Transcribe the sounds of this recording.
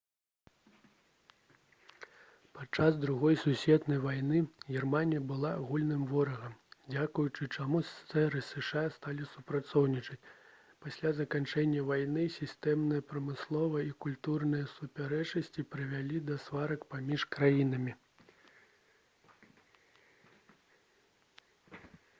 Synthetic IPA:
pat͡ʂazd̪ɾuɣɔjsusʲvʲɛt̪nɐjvajnɨɣʲirmanʲijɐbɨlˠaɣulʲnɨmvɔɾɐɣɐmd͡zʲakujut͡ʂɨt͡ʂamussɛɾɨsɨʂast̪alʲisupɾat̪sɔwnʲit͡ʂɐt͡sʲ | pasʲlʲazɐkant͡ʂɛnʲːɐvajnɨsʲist̪ɛmnɨjɐpɾɐmɨslˠɔvɐikulʲt̪urnɨjɐsupʲaɾɛt͡ʂɐsʲt͡sʲipɾɨvʲalʲid̪ɐsvaɾɐkpamʲiʂkɾajin̪ɐmʲi

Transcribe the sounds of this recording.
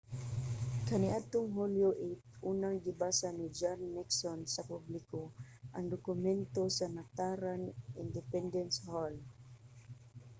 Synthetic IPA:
kaniʔat̪ʊŋɦuloʔit̪̚ʔunaŋɡibasanid͡ʒanːɛksɔnsapubliko | ʔaŋd̪ɔkʊmɛnt̪osanat̪aɾanʔind̪ɛpɛnd̪ɛnshɔl

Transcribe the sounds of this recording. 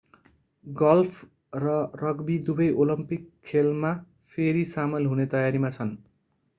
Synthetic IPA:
ɡʌlpʰ | rʌrʌɡbid̪ubʌjʔolʌmpikʰːelma | pʰeɾisamʌlɦunet̪ʌjaɾimat͡sʰʌn

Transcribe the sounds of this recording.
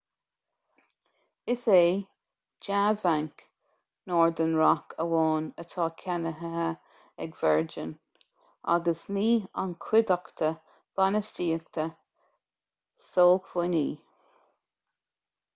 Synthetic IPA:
ɪθeː | d͡ʒaːvaŋk | nɔːɹd̪ənɹakʰəwɑːnət̪ʰɑːkʰanəɦəɦə | ɛɡvɛɹd͡ʒən | ʔa̰ɡəsniːa̰nkʰwɪd̪akt̪ʰə | b̥anəstiːək̚t̪ʰə | soːkv̥ɪniː

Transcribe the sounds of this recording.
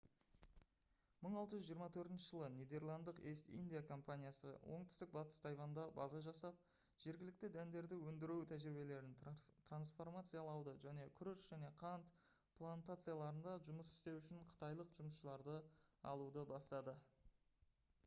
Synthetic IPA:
məɴɑlˠt̪əʒʏzʒijəɾmɑt̪ʰɵɾt̪ɪnʃɪʒəlˠənʲed̪e̞rlˠɑnd̪əqest̪ḭnd̪ijakʰo̞mpanʲijasə̰wʔo̞̰ɴt̪ʏ̥st̪ɪk̚bɑt̪ə̥st̪ʰɑjvɑnd̪ɑbɑ̰zɑʒɑsɑp̚ | ʒ̥e̞ɾɡʲɪlɪk̚t̪ɪd̪ænd̪e̞ɾd̪ɪwɵnd̪ɪɾewt̪ʰæʒɾɪbe̞le̞ɾɪnt̪ransfo̞rmat̪sɨjalˠɑwd̪əʒæne̞kʲʰʏɾʏʃʒæne̞qʰɑnt̪ | pʰlˠant̪at̪sɨjalˠɑɾənd̪ɑʒʊməsɪ̥st̪e̞wʏʃɪɴqʰə̥t̪ɑjlˠəqʒʊməsʃəlˠɑɾd̪əɑ̰lˠud̪əbɑst̪ɑd̪ə

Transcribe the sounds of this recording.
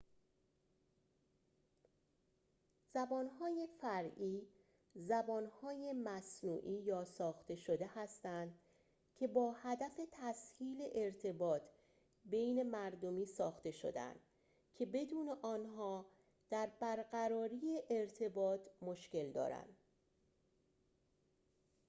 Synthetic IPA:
z̥æbɒːnhɒːjefæɾiː | zæbɒːnhɒːjemæsnuːʔiːjɒːsɒːxt̪e̞ʃo̞d̪e̞hæst̪ænd̪ | cʰe̞bɒːhæd̪æfe̞t̪ʰæshiːle̞ʔeɾt̪ʰe̞bɒːt̪ʰ | bejne̞mæɾd̪o̞miːsɒːxt̪e̞ʃo̰d̪æ̰nd̪̥ | cʰe̞be̞d̪uːne̞ʔɒːnɦɒː | d̪̥æɾbæɾɢæɾɒːɾiːjeʔeɾt̪ʰe̞bɒːt̪ʰmo̞ʃce̞ld̪ɒ̰ːɾæ̰nd̪̥

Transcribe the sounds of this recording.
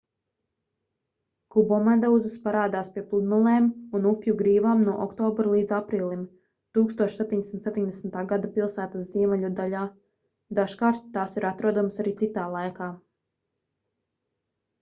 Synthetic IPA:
kubɔmand̪awzɨspaɾaːd̪aːspiɛplˠud̪malˠɛːmunupjuɡɾiːvaːmnuɔʔɔkt̪ɔːbɾlˠiːd̪zapɾiːlˠim | t̪uːkst̪uɔʃsɛp̚t̪iɲd̪esimt̪sep̚ʲt̪iɲʲd̪esn̩t̪aːɡad̪apilˠsæːt̪asziɛmɛʎʲud̪aʎaː | d̪aʃkaːɾt̪ːaːsiɾat̪ɾuɔd̪umsaɾiːt̪it̪aːlˠajkaː

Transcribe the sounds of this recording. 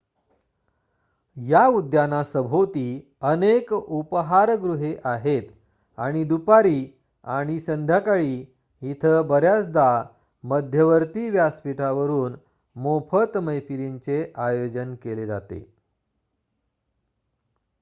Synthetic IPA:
jaud̪ʱjanasəbʱot̪iː | ənekupəɦaɾɡɾuɦeʔaɦet̪ | a̰ɽ̃id̪upaɾiː | aɽ̃isənd̪ʱjakaɭiː | jit̪ʰəbəɾjat͡sd̪a | məd̪ʱjəʋəɾt̪iʋjaspiʈʰaʋəɾuːn | mopʰət̪məjpiɾiɲt͡seʔajod͡ʑənkeled͡za̰t̪ḛ

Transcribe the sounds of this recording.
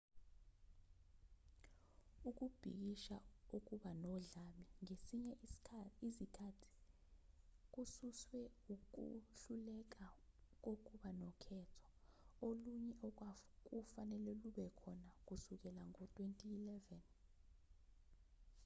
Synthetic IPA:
uk̬ub̥ʱḭk̬iʃauk̬uɓanɔɮamiŋesiɲɛizikʰatʰi̥ | k̬ususwɛuk̬ṵɬulɛk̬ak̬ok̬ʼuɓanɔkʰɛtʰɔ̥oluɲɛʔɔk̬wak̬ufanɛlɛluɓɛkʰɔnak̬usuk̬ɛlaŋotʰʼwentʼiːlɛvɛn

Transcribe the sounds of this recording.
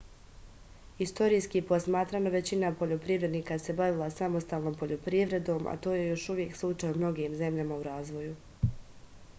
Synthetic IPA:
ist̪o̞ɾijskiepo̞smaːt̪ɾano̞ʋe̞t͡ɕinapo̞ʎo̞pɾiʋɾe̞d̪niːkase̞baʋilˠasamost̪aːlˠno̞ːmpo̞ʎo̞pɾiʋɾe̞d̪o̞ːmʔa̰t̪o̞ːje̞jo̞ʃuʋje̞kslˠut͡ʃajumno̞ɡimze̞mʎamauɾaːzʋo̞ju

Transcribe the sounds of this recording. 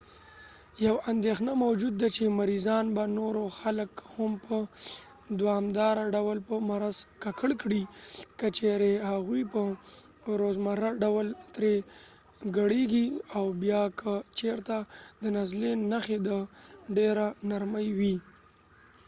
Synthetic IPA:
jawand̪exnamawd͡ʒud̪ːat͡ʃemaɾizɑnbanoɾoxaləkhampə | d̪wɑmd̪ɑɾaɖawəlpəmaɾazkakʰəɽkɽikət͡ʃeɾehaɣujpə | ɾozmaɾaɖawəlt̪ɾe | ɡaɽeɡiawbjɑkʰət͡ʃeɾt̪ad̪ənazlenaxed̪əɖeɾanaɾməjwi

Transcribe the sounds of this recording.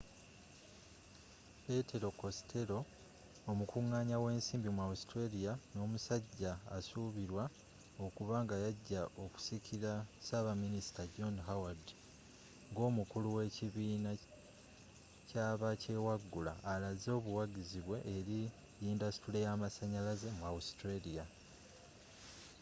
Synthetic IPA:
pe̞tʰe̞ɾo̞ko̞stʰe̞ɾo̞ː | mukuŋːaːɲawe̞ːnsiːmbimwaustɾelijano̞ːmusaɟːaːsuːβiɾwa | o̞kuβaːŋɡajaɟːaʔo̞ku̥sikʰiɾasaβaminisi̥taɟo̞nɦawad | ŋɡo̞ːmukuluwe̞ciβiːna | caːβace̞ːwaɡːula̰ːlazo̞ːβuwaɡiziβwe̞ʔːɾi | jiːndasi̥tule̞jaːmasaɲalaze̞mwaustɾelija

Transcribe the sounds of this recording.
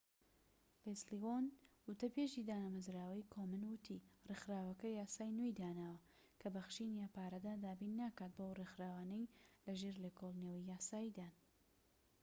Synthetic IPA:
lesliwonwʊt̪ɐbeʒiːd̪aːnamɐzɾaːwɐjkʰoːmɨnwʊt̪ʰirexɾaːwɐkɐjaːsaːjnwojd̪aːnaːwɐ | kʰɐbɐxʃinjaːpaːɾɐd̪aːd̪aːbiːnːakaːt̪̚bowrexɾaːwaːnejlɐʒeɾlekolˠnewijaːsaːjid̪aːn

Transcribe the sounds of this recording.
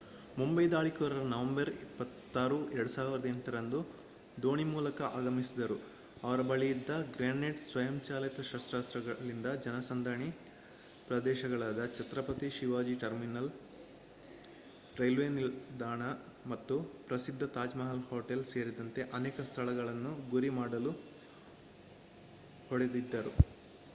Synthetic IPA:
mumbɐjd̪aːɭikɐʋɾɐɾnɐʋɐmbɐɾipːɐt̪ːaːɾuɛɾɐɽusaːʋiɾɐd̪eɳʈɐɾɐnd̪u | d̪oːɳimuːlɐkɐʔaːɡɐmisid̪ɐɾu | ɐʋɐɾɐbɐɭijid̪ːɐɡɾeːɳːeɖsʋɐjɐmt͡ʃaːlɐt̪ɐʃɐst̪ɾaːst̪ɾɐɐɭind̪ɐd͡ʒɐnɐsɐnd̪ʱaːɳi | pɾɐd̪ɛːʃɐɡɐɭaːd̪ɐt͡ʃɐt̪ɾɐpɐt̪iʃiʋaːd͡ʒiʈɐɾminɐl | ʈɾɐjlʋeːnild̪aːɳɐ | mɐt̪ːupɾɐsid̪ʱːɐt̪aːd͡ʒmɐɦɐlhoːʈelse̞ːɾid̪ɐnt̪e̞ʔɐnɛːkɐst̪ʰɐɭɐɡɐɭɐnːuɡuɾimaːɽɐlu | hɔɽed̪id̪ːɐɾu

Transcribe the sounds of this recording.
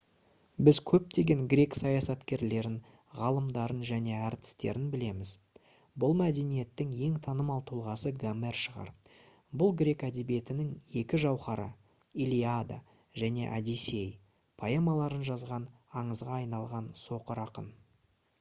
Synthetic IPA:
bɪzkʲʰɵp̚t̪e̞ɡʲe̞ŋɡɾʲe̞ksɑjɑsɑt̪kʲe̞ɾle̞ɾɪn | ʁɑlˠəmd̪ɑɾənʒæne̞æɾt̪ɪ̥st̪e̞̰ɾɪnbɪle̞mɪz | bʊlˠmæd̪e̞nije̞t̪ːɪŋje̞ŋt̪ʰɑnəmɑlˠt̪ʰulˠʁɑsəɡame̞rʃəʁɑ̰ɾ | bʊlˠɡɾʲe̞kæd̪ebije̞t̪ɪnɪŋe̞kʲɪʒɑwχɑɾə̰ | ilʲiad̪a̰ | ʒæne̞̰ʔɑ̰d̪ise̞j | pʰajemɑlˠɑɾənʒɑzʁɑn | ɑɴəzʁɑːjnɑlˠʁɑnso̞qəɾɑqə̰n

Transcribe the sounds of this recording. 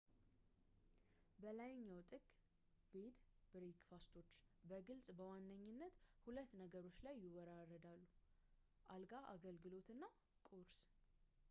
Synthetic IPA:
bəlajɪɲːawt̪ʼɨɡʼ | bed̪b̥ɨɾekfast̪ʰo̞t͡ʃːbəɡɨlsʼbəwanːəɲːɪnːət̪hulət̪ːnəɡəɾo̞t͡ʃːlajːɪwɔɾarːəd̪alːu | ʔalɡaʔaɡəlɡɨlo̞t̪ɨnːa | kʼoɾs

